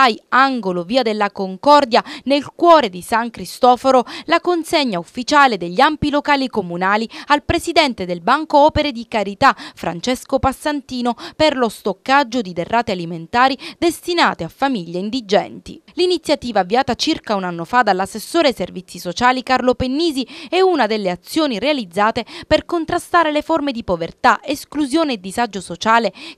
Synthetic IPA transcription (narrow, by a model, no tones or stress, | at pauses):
ajaŋɡoloviːad̪elːakoŋkɔrd̪janelkwɔːɾed̪isaŋkɾist̪ɔːfoɾolakonseɲːaufːit͡ʃaːled̪eʎːiampilokaːlikomunaːlialpɾesid̪ɛnt̪ed̪elbaŋkoɔːpeɾed̪ikaɾit̪afɾa̰nt͡ʃɛskopasːant̪iːnoperlost̪okːad͡ʒːod̪id̪erːaːt̪ealiment̪aːɾid̪est̪ina̰ːt̪eafːamiʎːeind̪id͡ʒɛ̰nt̪ḭlinit̪sːjat̪iːvaːvːiaːt̪at͡ʃirkaunanːofad̪alːasːesːoːɾeservit̪sːisot͡ʃaːlikarlopenːiːziɛunad̪elːeat̪sːjoːniɾealid̪zːaːt̪eperkont̪ɾast̪aːɾeleformed̪ipovert̪aʔeskluzjoːneːd̪ːizad͡ʒːosot͡ʃaːle